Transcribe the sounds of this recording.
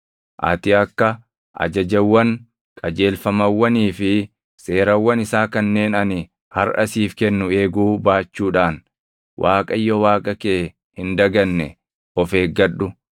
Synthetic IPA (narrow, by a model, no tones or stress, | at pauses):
ʔɐ̰t̪ɪɐkːɐ | ʔɐ̰d͡ʒɐd͡ʒɐwːɐŋ | kʼɐd͡ʒe̞ːlfɐmɐwːɐniːfɪ | se̞ːɾɐwːɐnɪsaːkɐnːe̞ːnɐnɪ | hɐɾʔɐsiːfkɛnːʊe̞ːɡuːbaːt͡ʃːuːᶑaːn | wʔaːkʼɐjːɔwaːkʼɐkeː | hɪnd̪ɐɡɐnːɛ | ɔfe̞ːɡɐɗːʊ